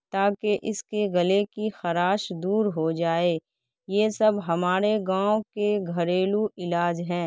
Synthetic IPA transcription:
t̪aːkeʔɪskeɡɐlekixɐɾaːʃd̪uːɾɦod͡ʒaːeː | jeːsɐbɦɐmaːɾeɡãːokeɡʱɐɾeːluɪlaːd͡ʒɦɛ̃ː

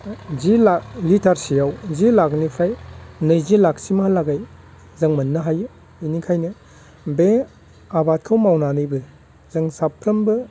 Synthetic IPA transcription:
zilalitʰaɾsijawzilaknipʰajnɯjzilak̚simahalaɡaj | zɐŋmɐnːɯɦaju | inikʰajnɯ | be | abat̚kʰɐwmawnanɯjbɯ | zɐŋsapʰɾɐmbɯ

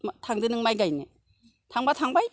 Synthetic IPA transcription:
mtʰaŋdɯnɯŋmajɡajne | tʰaŋbatʰaŋbaj

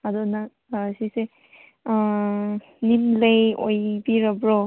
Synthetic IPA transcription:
adɔna | sise | nimlejojbiɾabɾɔ

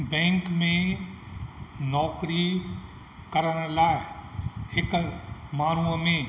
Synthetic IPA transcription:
bɛ̃ːŋkmẽ | nɔːkɾi | kəɾənlaː | ɪkmaːnuʋəmẽ

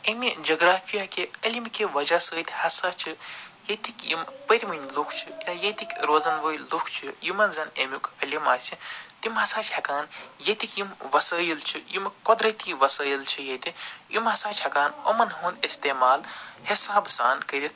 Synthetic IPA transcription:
emid͡ʒɐɡɾaːfʰijakeɐlʲimikiʋɐd͡ʒasəːt̪ʲhɐsaːt͡ʃʰɨjet̪ikjimpəɾʲmɐnʲlukʰt͡ʃʰijaːjet̪ikʲɾoːzɐnʋəːjlukʰt͡ʃʰijimɐnzɐnemʲikɐlʲimaːsʲit̪imɦɐsaːt͡ʃʰɐkaːnjɐt̪ikjimʋɐsəːjilt͡ʃʰijimkod̪ɾɐt̪iʋɐsəːjilt͡ʃʰijet̪ijimhɐsaːt͡ʃʰɐkaːnɐ̰mɐnɦuːnd̪ist̪eːmaːlhisaːbsa̰ːnkɐɾʲit̪

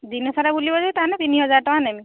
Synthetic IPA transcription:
dinɔsaɾabulibɔzajtaanɛt̪iniɦɔzaɹtɔanɛmi

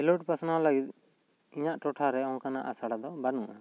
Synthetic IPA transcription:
ɛloʈ̚pasnawlaɡit̪̚ | iɲaʔʈɔʈʰaɾɛɔ̃ŋkanaʔasaɽad̪ɔbanuʔa

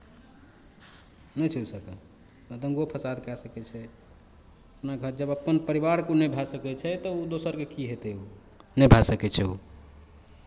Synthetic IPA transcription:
nɛjt͡ʃʰɛusəkə | əd̪ə̃ŋɡopʰəsad̪kɛsəkɛt͡ʃʰɛ | əpnaɡʱəd͡ʒəbəpːənpəɾiβaɾkunɛbʱasəkɛt͡ʃʰɛt̪ɔud̪osəɾkekiɦet̪ɛu | nɛbʱasəkɛt͡ʃʰɛṵ

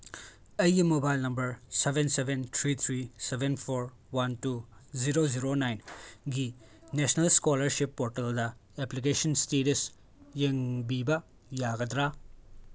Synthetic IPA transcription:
ɐjːimobajlnɐmbɐɾsebensebent̪ʰɾit̪ʰɾisebʱenpʰoɾ | wɐntuziɾoziɾonajnɡi | nesnɐlskolɐɾsipːoɾteldɐeplik̬esɐnsteɾis | jeŋbibɐ | jaɡɐdɾa

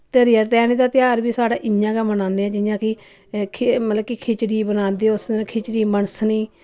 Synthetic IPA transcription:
t̪eɾɪaːt̪ɛːneːd̪aːt̪ɪjaːɾbiːsaːɽaːʔɪjãːɡaːmənãːnd̪eːãːd͡ʒɪjãːkɪ | kʰmələbkikʰɪt͡ʃɽiːbənãːnd̪eːʊskʰɪt͡ʃɽiːməɳəsniː

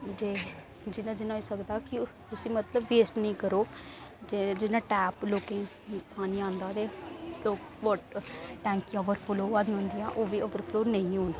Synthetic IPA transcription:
d͡ʒeː | d͡ʒɪnãːd͡ʒɪnãːiːsəkd̪aːkɪ | ʊsĩːmət̪ləbːeːsʈnəĩːkəɾoːd͡ʒed͡ʒɪnãːʈɛːploːkẽː | paːniːãːnd̪aːt̪eːloːk | bɔʈʈɛ̃ːŋkiɔʋəɾpʰoloːãːd̪iːɦõːnd̪iːãːʔoːʋiːəʋəɾpʰloːɾnəĩːɦoːn

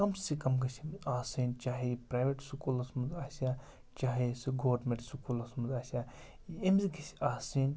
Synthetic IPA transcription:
kɐmssikɐmɡɐsʲimaːsint͡ʃaːɦiipɾajʋeʈsukulɐsmunzaːsʲa | t͡ʃaːɦesiɡoʋɾmeɳʈsukulɐsmɐnzaːsʲa | emziɡɐsaːsin

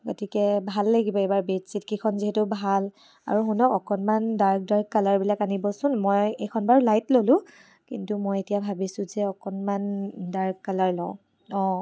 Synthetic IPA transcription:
ɡotʰikɛbʱalːaɡibɔejbaɹbetsitkikʰɔnziɦɛtʊbʱal | a̰ɹuɦunɔkɔkɔnmandaɹk̚daɹkːalaɹbilakanibɔsʊnmɔjekʰɔnbaɹlajtlolʊ̃ | kintumɔjetijabʱabisʊ̃zɛɔkɔnmandaɹkːalaɹlɔʊ̃ | ɔ

